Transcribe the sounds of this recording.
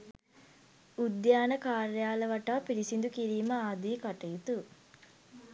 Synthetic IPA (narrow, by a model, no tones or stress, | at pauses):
ud̪jaːnəkaːɾjaːləʋaʈaːpiɾisind̪ukiɾiːməaːd̪iːkaʈəjut̪u